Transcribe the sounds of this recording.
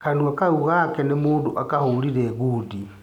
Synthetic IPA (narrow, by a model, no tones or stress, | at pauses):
kanuakauɣakɛnemuːndoʔakaholiɾɛɣudi